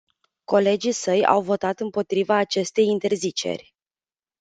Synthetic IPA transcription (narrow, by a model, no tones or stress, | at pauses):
ko̞le̞d͡ʒisəja̰wvo̞t̪at̪ɨmpo̞t̪ɾivaːt͡ʃe̞st̪e̞jint̪e̞rzit͡ʃe̞̰rʲ